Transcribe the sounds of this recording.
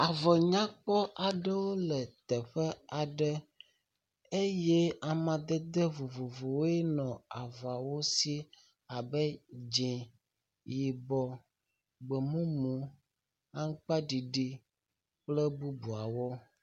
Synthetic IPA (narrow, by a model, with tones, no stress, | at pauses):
a˨vɔ˨ɲã˦k͡pɔ˦ʔa˨ɖə˦wo˦lɛ˨t̪ɛ˨ɸɛ˦a˨ɖɛ˦ | e˦jɛ˦a˨mã˨d̪ɛ˦d̪e˦vo˨vo˨vo˨we˦nɔ̃˨a˨vɔ˨a˨wo˦si˦ | a˨bɛ˦d͡ʒɛ̃˨ | ji˨bɔ˨ | ɡ͡bɛ˨mũ˦mũ˨ | a˦ŋ̩˦k͡pa˦ɖi˨ɖi˦ | k͡plɛ˦bu˦bu˨a˨wɔ˦